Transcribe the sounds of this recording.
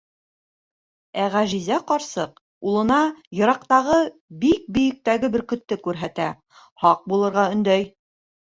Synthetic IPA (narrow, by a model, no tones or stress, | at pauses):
æʁæʒizæqɑɾsɤq̚ | ulˠɤ̆nɑjɤ̆ɾɑqt̪ɑʁɤ | bik̚bɵ̆jɘ̆k̚t̪æɡɘbɘɾkɵ̆t̪ːɘkʉɾɦæt̪æ | hɑq̚bulˠɤ̆ɾʁɑɵ̆nd̪æj